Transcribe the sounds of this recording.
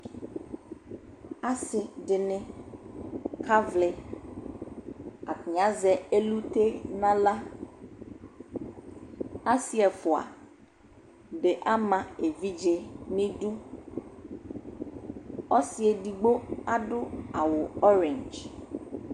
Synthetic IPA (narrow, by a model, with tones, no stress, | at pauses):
a˦sɪ˨ɖɪ˨nɪ̃˦ | kʰa˦vlɪ˨ | a˨ki˨ɲã˨˦zɛ˨e˦lu˦t̪e˦nã˦la˦ | a˦si˦ɛ˨fʊ˨a̰˨ | ɖe˨ʔa˦mã˨e˨vi˦d͡ʒe˨nɪ̃˦ɖu˦ | ɔ˦si˦e˨di˨ɡ͡bo˦a˦ɖʊ˦a˨wʊ˨ɔ˦ɾɛ̃˨nd͡ʒ